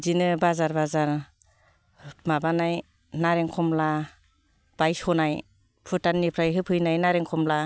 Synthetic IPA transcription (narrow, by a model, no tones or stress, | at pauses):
zinɯbazaɾbazaɾ | mabanaj | naɾeŋkʰɔmla | b̥ajsɔnaj | pʰɯtanːipʰɾajɦɯpʰɯjnajnaɾeŋkʰɔmla